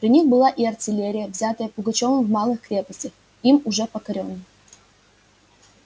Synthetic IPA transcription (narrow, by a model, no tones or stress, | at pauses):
pɾʲɪnʲixbɨlˠaʔɪɐrtʲɪlʲeɾʲɪjəvzʲat̪əjəpʊɡɐt͡ɕo̞vəmvmɑlˠɨxkɾʲe̞pəsʲtʲɪx | imʊʐɛpəkɐɾʲo̞nːə